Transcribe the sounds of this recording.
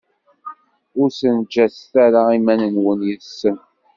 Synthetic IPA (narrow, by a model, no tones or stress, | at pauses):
ʊɾsənd͡ʒæsθæɾaimænənwənjəsːən